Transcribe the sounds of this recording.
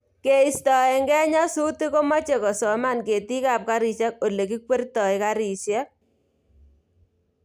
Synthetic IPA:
ke˨i˨stɔ˨ɛ˨ŋɡɛ˦ɲa˦su˦ti˦ko˦ma˦t͡ʃe˨kɔ˨sɔ˨ma˦nke˨ti˦ka˨p̚ka˦ɾi˨sja˦k̚o˨le˨ki˦kwe˦rtɔ˨i˨ka˦ɾi˨sja˦k̚

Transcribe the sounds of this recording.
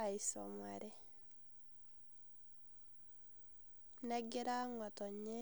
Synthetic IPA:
ai˨sɔ̰maɾɛ˦ | nɛ˦ɡi˦ɾa˦ŋɔ˨tɔ˨ɲe˦

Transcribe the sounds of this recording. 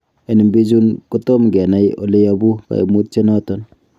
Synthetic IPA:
e˨ni˨mbi˦d͡ʒu˦nkotɔ˦mɡɛ˨na˦jʔo̰˨le˦jabu˦ka̰˨mu˦t̚t͡ʃe˦nɔ˦tɔn

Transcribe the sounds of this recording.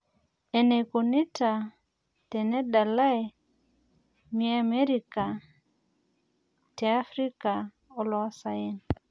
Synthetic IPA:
ɛ˨ne˨ku˨ni˦ta˨ | tɛ˨nɛ˦da˨la˦e˨ | mi˦a˦mɛ˦ɾi˨ka˨ | tɛ˨a˦fɾi˦ka˨ | ɔ˦lɔ˨˦sa˨e˦n

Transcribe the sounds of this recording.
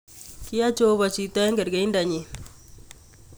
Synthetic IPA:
ki˦ja˦t͡ʃo˦βa˨t͡ʃi˦ta˦ja˦ŋɡa˨ɾɡa˦i˦nda˨ɲe˨

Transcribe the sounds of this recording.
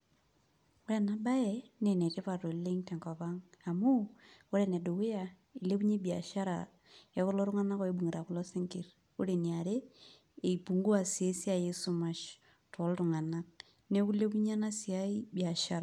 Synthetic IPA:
o˦ɾɛ˨na˨ba˦ɛ˨ne˨ne˨te˦pa˨to˨˦le˦ŋtɛ˨ŋkɔ˨pa˦ŋa˨mu˦o˦ɾɛ˨nɛ˨do˨we˦ja˨ | i˨le˦pu˦ɲe˦bi˨a˨ʃa˦ɾa̰˨ | jɛ˦kɔ˦lɔ˦ɾʊ˦ŋa˦na˦kɔ˦e˦bu˨ŋi˨ɾa˨kʊ˦lɔ˦sɪ˦ŋkɪ˨r | o˦ɾe˨ni˨a˨ɾe˦ | e˨i˨pu˨ŋɡu˦a˨si˨e˦si˦a˨je˦su˨ma˨ʃ | tɔ˨˦ltʊ˨ŋa˨na˦k̚ | ne˦ku˦le˦p̬u˦ɲa˦na˦si˨a˦i˦bi˨a˨ʃa˦ɾa˨

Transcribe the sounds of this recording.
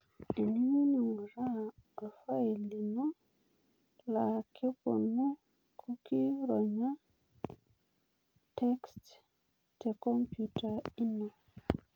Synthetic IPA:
i˨ni˦ɲi˦ni˨ŋu˨ɾa˦˨a˨fa˦i˨li˨no˦ | la˨kʰe˦po̰˨nu˦ | kʰu˦ki˦ɾɔ˨ɲa˦ | tɛ˦kst | te˨kɔ˦mpju˨ta˨i˦no˨

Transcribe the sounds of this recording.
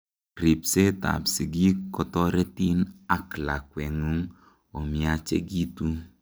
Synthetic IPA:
ɾi˨pse˦ta̰˨psi˨ɡi˦kɔ˨tɔ˦ɾɛ˦ti˦na˦˨kla˨kwɛ˨ŋu˦ŋ | o˨mi˨a˨t͡ʃḛ˦ɡi˦tu˦

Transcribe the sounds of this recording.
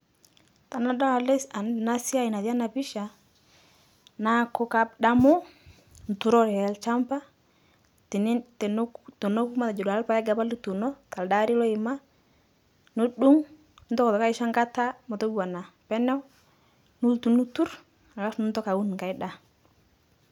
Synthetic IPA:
ta˨na˦da˦˨le˦sa˨na˦si˦a˦i˨na˨ta˦na˨pi˦ʃa˨ | na˦kɔ˦ka˦pɗa˦mɔ˦ | n˨tu˨ɾɔ˦ɾɛ˨ɛ˨lt͡ʃa˦mpa˦ | tn˦˨˦ | to˨no˦ku˦ma˦ta˨d͡ʒɔ˨da˨la˦pa˦ja˦ɡa˨ba˦li˦tu˨nɔ˦ta˨lda˦ɾi˦lɔ˦ɪ˨ma˦ | no˦du˦ŋ | nu˦ntɔ˦kɔ˨tɔ˨ka˦i˦ʃa˦ŋɡa˦ta˦mo˨to˦bu˦wa˨na˨ | pɛ˦nɛ˦w | nu˦ltu˨nu˦tu˦ɾ | a˨ɡa˦fnu˦ntɔ˦ka˨wu˦n˨ka˨i˦da˦

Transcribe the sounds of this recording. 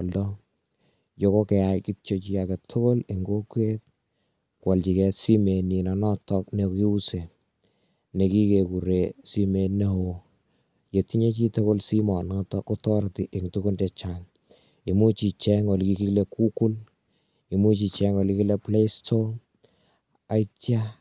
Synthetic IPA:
ldɔ˦ | jo˨ko˦kɛ˨ja˨jki˦t͡ʃo˦t͡ʃi˦jakɛ˨tʰo˦ko˦le˨ŋɡo˦kwe˦t̚ | kwɔ˨lt͡ʃi˨kɛ˨si˦me˨ni˨nɔ˨nɔ˦tɔk̚ne˨kki˦u˦se˨ | ne˨ki˦ke˨ku˨ɾe˨si˦me˨ne˦ho˦ | je˨ti˦ɲe˦t͡ʃi˦to˦ko˦lsi˦mɔ˨nɔtɔ˦ko˦tɔɾti˨ʔe˨ŋtu˦ku˦ntɛt͡ʃan | i˨mu˦t͡ʃi˨t͡ʃɛ˦ŋɔ˨lki˦ki˦kle˦kʰu˦ku˦l | i˨mu˦t͡ʃi˨t͡ʃɛŋɔ˨liki˦le˦ple˦istʰoŋ | a˦itja

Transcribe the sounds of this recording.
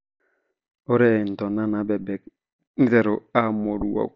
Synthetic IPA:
o˦ɾɛ˦˨n̩˨tɔ˨na˦na˨bɛ˨bɛ˨k | ni˦tɛ˨ɾo˨a˦mo˨ɾu˨wa̰˨

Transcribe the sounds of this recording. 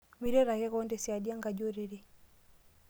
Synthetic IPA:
mi˦ɾɛ˦ɾa˨ɣɛ˦ɣɔ˦ndɛ˨si˨a˨di˦a˦ŋɡa˨d͡ʒɔ˦ɾi˦ɾi˦

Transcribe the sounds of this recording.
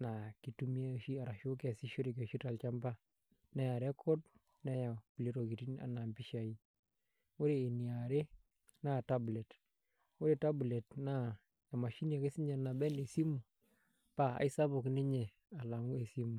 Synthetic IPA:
na˨ki˨tu˦mi˦a˦˨ʃi˦a˨ɾa˨ʃu˦kɛ˨si˦ʃo˦ɾe˨ke˨ʃi˦ta˨lt͡ʃa˦mba˦ | nɛ˦ja˨ɾɛ˦kʰɔ˦t | nɛ˦ja˨pi˨le˦ɾo˨ki˨ti˦na̰˨˦na˨mbi˦ʃa˨i˦ | o˦ɾeː˨ni˨a˨ɾe˦ | na˦ta˦ble˨t | wo˦ɾe˨ta˦ble˨tna˦˨ | e˨ma˨ʃi˦n˦a˨ke˦si˦ɲɛ˨na˨bɛ˦ne˨si˦mu˨ | pa˨a̰˨i˦sa˦bo˨kni˦ɲe˨ | a˨la˨ŋu˦e˨si˦mu˨

